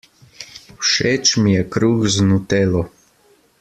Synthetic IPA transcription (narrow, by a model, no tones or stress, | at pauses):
wʃeːt͡ʃmijɛkɾuːkznut̪eːlɔ